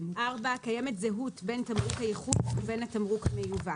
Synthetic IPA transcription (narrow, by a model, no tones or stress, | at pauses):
ʔaʁbaakajemetzeɦutbe̞ntamʁukhajeχudube̞nhatamʁukhamejuva